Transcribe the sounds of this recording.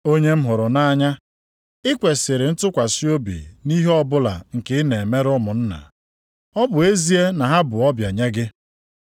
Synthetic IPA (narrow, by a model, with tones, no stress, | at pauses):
o˦ɲe˦m̩˦ɦʊ˨ɾʊ˨na˦ɲa˦ | ɪ˦kʷe˨sɪ˨ɾɪ˨n̩˦tʊ˦kʷa˨si˦o˦bḭ˨ni˦ɦe˦ɔ˦bʊ˦la̰˨ŋ̩˨kɪ˦ne˨me˦ɾʊ˦mʊ˨n̩˦na̰˨ | ɔ˦bʊ˨e˦zi˦e˦na˨ɦa˦bʊ˨ɔ˦bja˨ɲe˦ɡɪ˦